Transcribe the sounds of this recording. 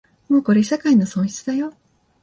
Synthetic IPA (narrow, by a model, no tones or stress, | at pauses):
mo̞ːko̞ɾe̞ɕakainosõɰ̃çi̥t͡sɨd̪ajo̞